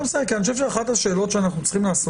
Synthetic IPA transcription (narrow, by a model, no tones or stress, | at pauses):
msajkianioʃevʃeaχathaʃe̞ːlo̞tʃeanaχnut͡sχimlaːso